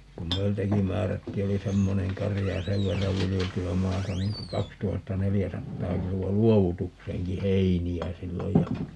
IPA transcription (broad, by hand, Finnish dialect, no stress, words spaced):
kum meiltæki mæːrætːiː oli semːoneŋ kɑrijɑ jɑ seʋ ʋerːɑʋ ʋilijeltyæ mɑːtɑ niŋ ku kɑkstuhɑtːɑnelijæsɑtːɑː kiluɑ luoʋutukseːŋki heiniæ silːoj jɑ